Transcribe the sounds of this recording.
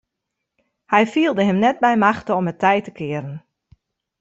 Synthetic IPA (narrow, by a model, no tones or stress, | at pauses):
hɛjfiəlˠdəɦəmnɛt̚bɛjmaxtəɔmətʰɛjtəkʰɪəɾən